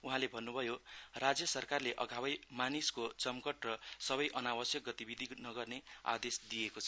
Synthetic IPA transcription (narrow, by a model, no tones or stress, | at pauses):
uɦãlebʱʌnːubʱʌjorad͡zjʌsʌrkarleʔʌɡʱawʌjmaniskot͡sʌmkʌʈrʌsʌβʌjʔʌnawʌsjʌk̚ɡʌt̪ibid̪ʱinʌɡʌrnea̰d̪esd̪ijekot͡sʰʌ